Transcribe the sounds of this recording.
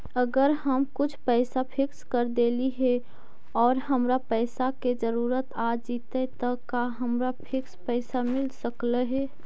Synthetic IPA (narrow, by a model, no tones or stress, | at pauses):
əɡəɾɦəmkʊt͡ʃʰpɛːsapʰɪkskəɾd̪eːliɦɛ | ɔːɾɦəmɾapɛːsaked͡ʒəɾuːɾət̪ad͡ʒiːt̪et̪əkaɦəmɾapʰɪkspɛːsamɪlsəkleɦɛ